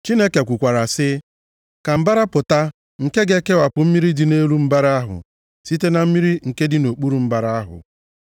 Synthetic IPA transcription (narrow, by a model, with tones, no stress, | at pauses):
t͡ʃi˦ne˦ke˨kʷu˨kʷa˨ɾa˨sɪ˦ | ka˨m̩˦ba˦ɾa˦pʊ˨ta˦ | ŋ̩˨ke˦ɡe˦ke˦wa˨pʊ˨m̩˦mi˦ɾi˦dɪ˨ne˦ɾu˦m̩˦ba˦ɾa˦a˦ɦʊ̰˨ | si˦te˦na˨m̩˦mi˦ɾi˦ŋ̩˨ke˦dɪ˦no˨k͡pu˦ɾu˨m̩˦ba˦ɾa˦a˦ɦʊ̰˨